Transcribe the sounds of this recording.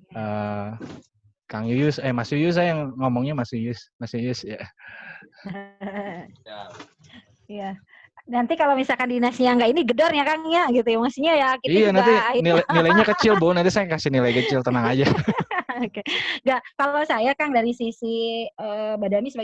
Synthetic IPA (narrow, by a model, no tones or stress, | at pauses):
ə | kaŋjujʊsɛmasujʊs̬ajaŋŋɔmɔŋɲamasujʊsmasujʊsja | ija | nant̪ikalomisalkandinasɲaŋɡainiɡədɔrɲakaŋjaɡit̪ujamasiɲajakiijanant̪iinilanilajɲakət͡ʃɪlbʊnadasajakasɪnilajkət͡ʃɪlt̪ənaŋad͡ʒaokeŋɡaʔkallosajakaŋdaɾisisiəbadamisəba